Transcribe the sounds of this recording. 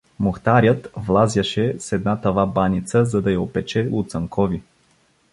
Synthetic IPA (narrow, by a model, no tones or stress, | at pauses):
moxt̪aɾʲət̪vlˠazʲjɐʃɛsɛd̪̚nat̪ɐvabanʲit̪səzɐd̪ɐjɐopɛt͡ʃɛlˠʊt̪sɐŋkʰɔvi